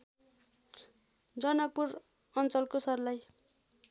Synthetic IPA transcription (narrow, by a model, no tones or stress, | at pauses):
d͡zʌnʌk̚puɾ | ʌnt͡sʌlkosʌrlaj